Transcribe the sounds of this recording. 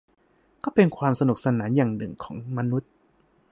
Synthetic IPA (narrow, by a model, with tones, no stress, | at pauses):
kɔː˥˩pe˧nkʰwaː˧msa˧nu˨˩k̚sa˧naː˩˦njaː˨˩ŋnɯ˨˩ŋkʰɔː˩˦ŋma˧nu˦˥t̪̚